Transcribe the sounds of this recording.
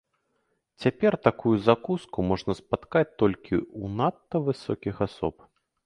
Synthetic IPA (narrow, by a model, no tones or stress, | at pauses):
t͡sʲapʲɛrt̪akujuzakuskumɔʐnɐspat̪kat͡sʲt̪ɔlʲkʲʰiunat̪ːɐvɨsɔkʲixasɔ̰p